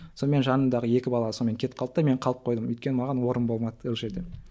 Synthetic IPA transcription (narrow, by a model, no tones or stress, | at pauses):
so̞nme̞nʒɑnənd̪ɑʁəe̞kʲɪbɑlˠɑsonme̞ŋkʲʰe̞t̪qɑlˠət̪ɑme̞ɴqʰɑlˠəp̚qʰojd̪əmʏjt̪kʲe̞nəmɑʁɑnwo̞ɾənbo̞lˠmɑd̪olˠʒe̞ɾd̪e̞